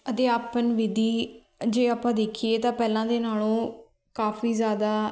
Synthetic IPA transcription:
ət̪eːaːpənʋɪd̪iː | d͡ʒeːaːpãːd̪eːkʰieːt̪ãːpɛːlãːd̪eːnaːlõː | kaːfiːzjaːd̪aː

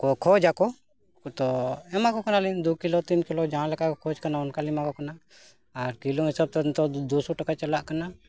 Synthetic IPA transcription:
kɔkʰɔd͡ʒakɔ | t̪ɔɛmakɔkanalind̪ukilɔt̪inkilɔd͡ʒaɦãlɛkakɔkʰɔd͡ʒkanaɔnkalimakɔkanaː | ɾkilɔɦisab̚t̪ɔnt̪ɔd̪usɔʈakat͡ʃalaʔkana

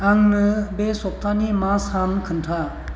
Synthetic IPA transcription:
aŋnɯbesɔk̚tʰanimasamkʰɯntʰa

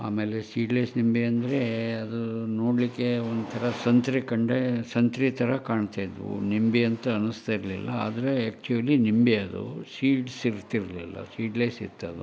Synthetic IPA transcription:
a̰ːmeːlesiːɖlɐjsnimbeɐnd̪ɐɾeɐd̪unoːɽlikːeond̪ut̪ʰɐɾɐsɐnt̪ɾikɐɳɖesɐnt̪ɾit̪ʰɐɾɐkaːɳt̪aːjd̪ʋṵnimbiɐnt̪ɐːnust̪aiɾlḭlːɐa̰ːd̪ɐɾeæːk̚t͡ʃuʋɐlinimbeɐd̪ṵsiːɖsiɾt̪ːiɾlḭlːɐ̰siːɖlɐjsḭɾt̪ːɐɐd̪ṵ

